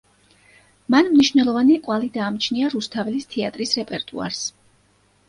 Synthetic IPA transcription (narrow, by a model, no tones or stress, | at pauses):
manmniʃvnɛlˠɔvaniqʼwalid̪aːmt͡ʃʰniaɾust̪ʰavɛlist̪ʰɛat̪ʼɾisɾɛpʼɛɾt̪ʼṵa̰ɾs